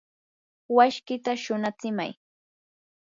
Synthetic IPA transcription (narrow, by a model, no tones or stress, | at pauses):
waʃkɪt̪aʃʊnat͡sɪma̰j